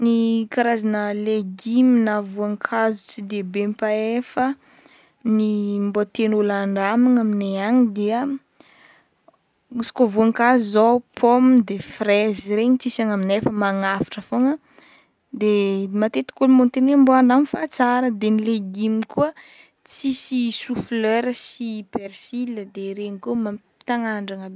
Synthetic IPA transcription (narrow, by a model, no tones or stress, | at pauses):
nikaɾazanəleɡiminavuaŋkʰazut͡sid̪ebempaefə | nimbot̪enulaɳɖ͡ʐamaŋamineaɲid̪iə | usi̥kovuaŋkazuzapʰomd̪efreziɾeɲit͡sisaŋaminefəmaŋafḁʈ͡ʂəfoŋə | d̪emat̪et̪i̥kulmont̪enemboaɳɖ͡ʐamifat͡saɾəd̪enileɡimikuə | t͡sisisufløɾəsipersiləd̪eɾeɲikumḁ | t̪aŋaɳɖ͡ʐaŋa